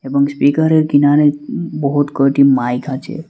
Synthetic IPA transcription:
ebɔŋspikəɾeɾkinaɾebɔɦut̪kəʈimajkat͡ʃʰḛ

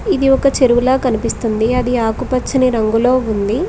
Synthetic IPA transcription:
id̪iɔkɐt͡ʃeɾuwulaːkɐnipist̪und̪iɐd̪iaːkupɐt͡ʃːɐniɾɐŋɡulo̞ːund̪i

